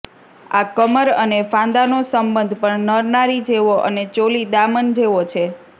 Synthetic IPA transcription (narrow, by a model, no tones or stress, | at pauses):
a̰kəməɾənefãnd̪anosəmbənd̪ʱpəɳnəɾnaɾid͡ʒeʋoʔənet͡ʃolid̪amənd͡ʒeʋot͡ʃʰe